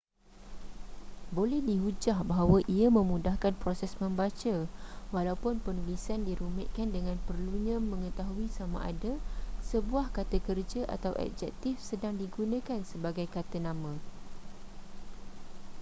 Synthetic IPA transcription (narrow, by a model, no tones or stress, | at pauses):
bolɛhdiɦud͡ʒahbaɦawaʔiamə̃mũdahkanpɾosɛsmə̃mbat͡ʃawalaupʊnpənulisandiɾumɛʔ̪̚kandəŋãnpərluɲãmə̃ŋə̃t̪aɦuisamã̰ʔa̰dasəbuahkat̪akərd͡ʒaʔa̰t̪awʔɛ̰k̚d͡ʒɛ̰k̚t̪ifsədaŋdiɡunãkansəbaɡajkat̪anãmã